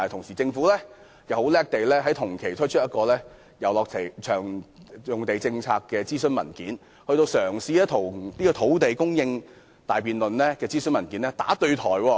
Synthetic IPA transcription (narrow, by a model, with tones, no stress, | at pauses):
t̪ʰʊ˨˩ŋsiː˨˩t͡sɪ˧ŋfuː˨˥lɛː˥ | jɐ˨˩who˨˥wlɛː˥k̚t̪e˨jlɛː˥ɦɐ˨˥jt̪ʰʊ˨˩ŋkʰe˨˩jt̪ʰɵ˥t͡ʃʰɵ˥jɐ˥t̚kɔː˧lɛː˥ | jɐ˨wlɔː˨k̚sʰe˨˩jt͡ʃʰœː˨˩ŋjʊ˨˩ŋt̪e˨jt͡sɪ˧ŋt͡sʰa̰ː˧kːɛː˧t͡siː˥sɵ˥nmɐ̰˨˩nkiː˨˥n | hɵ˧ɥt̪o˧wsœː˨˩ŋsiː˧ɛ˥t̪ʰʊ˨˩wliː˥kɔː˧t̪ʰo˨˥wt̪e˨jkʊ˥ŋjɪ˧ŋ | t̪aː˨jpiː˨nlɵ˨nlɛː˥kɛː˧t͡siː˥snmɐ˨˩nkiː˨˥nɛ˥t̪a̰ː˨˥t̪ɵ˧ɥt̪ʰɔː˨˩jwɔː˧